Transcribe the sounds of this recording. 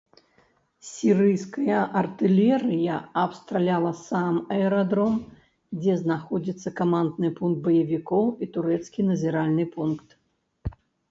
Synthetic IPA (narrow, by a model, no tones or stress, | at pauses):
sʲiɾɨjskɐjɐʔɐrt̪ɨlʲɛɾɨjɐɐpst̪ɾalʲalˠɐsamɐɛɾad̪ɾɔm | d͡zʲɛznaxɔd͡zʲit̪sːɐkamand̪nɨpunk̚t̪̚bɐjɐvʲikɔwit̪uɾɛt̪skʲinɐzʲiɾalʲnɨpunkt̪